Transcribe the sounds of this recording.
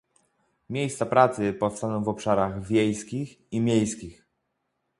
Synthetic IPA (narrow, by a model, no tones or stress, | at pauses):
mʲjejst̪sapɾat̪sɘpɔfst̪anɔ̃w̃vɔpʂaɾaɣvʲjejskʲix | imʲejskʲix